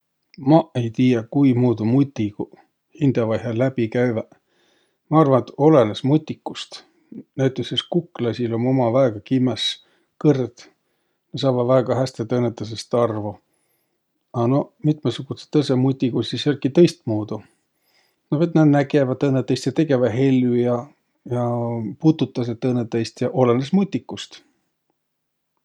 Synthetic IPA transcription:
mɑe̞jt̪iːjɑkujmuːd̪umut̪ʲːiku | hind̪̥ɑvɑjɦɑlæb̥ikæjvæ | mɑɑrvɑnet̪o̞lenesmut̪ʲˑːikːust̪ | næyt̪ːˑeseskukːˑlɑsʲilo̞mo̞mɑvæeɡ̥ɑkimːes | kɤrt̪ | nesɑːvɑd̪væeɡ̥ɑɦæst̪et̪ɤnːet̪ːˑɑs̬est̪ɑrvu | ɑno̞mit̪mesuɡ̥use̥t̪ːɤsemut̪ʲːˑikusiselʲkit̪ɤjst̪muːd̪̥u | novet̪nɑd̪næɡevɑt̪ːɤnːet̪ːˑɑjst̪jɑt̪e̞ɡe̞vɑɦe̞lʲjujɑ | jɑput̪ut̪ːˑɑs̬et̪ːɤnːet̪ːˑɑjst̪jɑʔolenesmut̪ʲːˑikːˑust̪

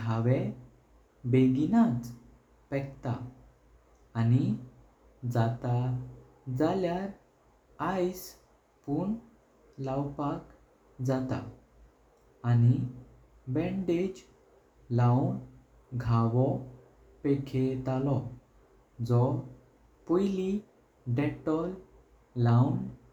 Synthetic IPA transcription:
ɡʱaʋɛ̃ | beɡinat͡s | pɛk̚t̪a | ni | d͡zat̪a | d͡zaljaɾ | ajs | puːɳ | lawpak | d͡zat̪a̰ | ni | bɛ̃ɳɖed͡ʑ | lawɳ | ɡʱaʋɔ | pekʰet̪alɔ | d͡zɔ | pɔjli | ɖɛʈɔl | lawɳ

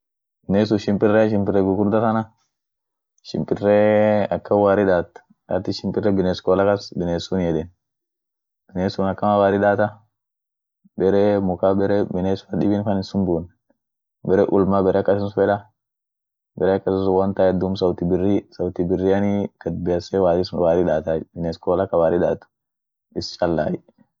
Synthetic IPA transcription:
bɪnes̬ʊʃɪmpɪrɛʃɪmpɪrɛɡʊɡʊɾd̪atɐna | ʃɪmpʼɪrːɛɐkːɐwaːɾɪᶑaːt̪ | a̰t̪ːɪʃɪmpɪrːɛbɪneskɔːlɐkɐsbɪneːsʊnjɛdɛn | b̥ɪnesunɐkːɐmawaːɾɪɗaːt̪ɐ | bɛɾɛmʊkabɛɾɛbɪneːsfɐᶑɪbinkɐnɪsʊmbuːn | bɛɾɛʔʊlmabɛɾʔɛɐkːɐsɪsʊfɛᶑɐ | bɛɾɛɐkːɐsɪsʊwɐnt̪aːɛd̪ːumsɐwt̪ɪbɪrɪsɐwt̪ɪbɪrːɪɐnikɐd̪̚bɛjɐsɛwaːɾɪswaːɾɪᶑaːt̪aːbɪneskoːlɐkːɐwaːɾɪᶑa̰ːt̪ːʊ̥ | ʔɪst͡ʃɐlːa̰ːjɛ

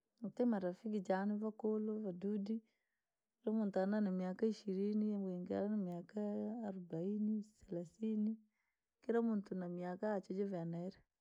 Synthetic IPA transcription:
ŋtemaɾafik̬id͡ʒanivakolovadudi | kɾamunt̪ananamiakaiʃiɾinijamɡeŋɡa̰ɾanamjakaːɾbainisalasini | kiɾamunt̪unamiakaːt͡ʃod͡ʒovanaɾe

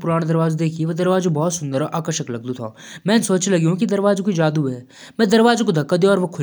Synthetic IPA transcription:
pʊɾaːɽ̃d̪ɐɾʋaːzd̪eːkʰieʋɐd̪ɐɾʋaːzũbɔːt̪sʊ̃nd̪əɾʔaːkəɾʃəklɐɡ̚d̪ut̪ʰa̰ː | mɛ̃ːnsoːt͡ʃlɐɡjũkid̪ɐɾʋaːzkid͡ʒaːd̪uɛː | mɛ̃ːd̪ɐɾʋaːzkod̪ʱɐkːad̪jɔːɾʋɐkʰʊ

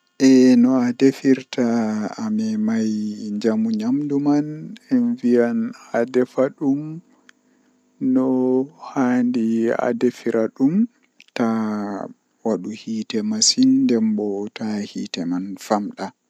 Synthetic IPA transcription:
ʔɛnɔadefiɾtʰaːmɛmajɲd͡ʒamuɲamdumanɛnvijanadɛfaɗum | nɔhandia̰defiɾʔaɗum | ta | waɗuhiːtɛmasindɛmbɔtahḭtɛmanfamɗa

